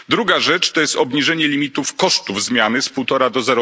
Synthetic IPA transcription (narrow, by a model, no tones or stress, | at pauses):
d̪ɾuɡaʐɛt͡ʂt̪ɔjɛst̪ɔbɲiʐɛɲɛlʲimʲit̪ufkɔʂt̪uvzmʲjanɘspuwt̪ɔɾad̪ɔzɛɾɔ